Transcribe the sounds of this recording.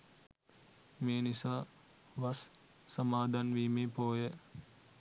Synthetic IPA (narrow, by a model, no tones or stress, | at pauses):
meːnisa | ʋɐsː | ɐmaːd̪anʋiːmepoːje